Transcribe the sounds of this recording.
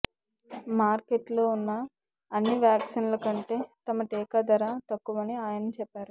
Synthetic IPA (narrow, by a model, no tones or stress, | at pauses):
maːɾkeʈloːunːɐ | ɐnːiʋjaːksinlɐkɐɳʈe̞ːt̪ɐmɐʈeːkɐd̪ɐɾaːt̪ɐkːuʋɐniaːjɐnɐmt͡ʃɛpːaːɾu